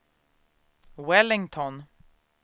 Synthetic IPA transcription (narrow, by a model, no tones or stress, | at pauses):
wɛlɪŋt̪ʰɔn